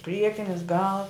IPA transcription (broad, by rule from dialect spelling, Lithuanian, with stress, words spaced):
ˈpʲrʲiɛkʲɪnʲɪs ɡɐlˠ